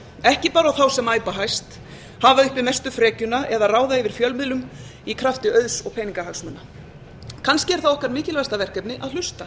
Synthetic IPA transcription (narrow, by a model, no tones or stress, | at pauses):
ɛhcɪpaːɾawθawsɛmaːjpaɦajst̪ | havaʏhpɪmɛst̪ʏfɾɛːcʏnaʔɛðaraːwðaɪvɪɾ̥fjœlmɪðlʏmikʰɾaft̪ɪœðsɔɣpʰeːjniŋkahaksmœnːa | kʰanscɪɛɾ̥θawɔhkaɾmɪːcɪlvajst̪avɛr̥kɛpnɪʔaðl̥ʏst̪a